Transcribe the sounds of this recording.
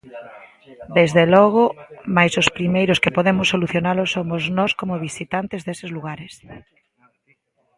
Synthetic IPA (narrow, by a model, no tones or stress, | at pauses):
d̪ezðelɔɣ̞ʊmajsospɾimejɾʊskepoðemʊsːoluθjonalʊsːomoznɔskomʊβ̞isit̪ant̪ɪzðesɪzluɣaɾes